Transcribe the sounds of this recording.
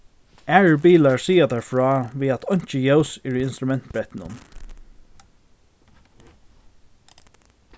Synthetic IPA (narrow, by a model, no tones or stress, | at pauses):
æːɹbiːlaɹsiːat̪æɹfɹɑːʋiːat̪ʰɔɲ̥t͡ʃəjoʊsɛɹiɪnst̪ɾʊmɛn̥t̪̚bɹɛt̪nʊ̰n